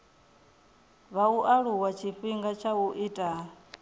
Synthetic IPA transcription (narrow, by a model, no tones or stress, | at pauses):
βauʔaɺuwat͡ʃʰiɸiŋɡat͡ʃʰauʔitʼa